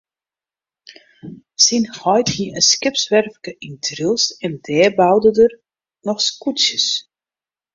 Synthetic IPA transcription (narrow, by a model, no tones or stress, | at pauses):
sinhɔjthiəʔəskɪpsʋɛrfkəʔintʰrilˠsɛndɛːbawdədər | nɔxskutsjəs